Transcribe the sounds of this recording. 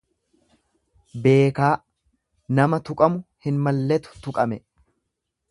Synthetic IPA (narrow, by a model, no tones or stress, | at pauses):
be̞ːkaː | nɐmɐt̪ʊkʼɐmʊhɪnmɐlːɛt̪ʊ̥t̪ʊkʼɐmɛ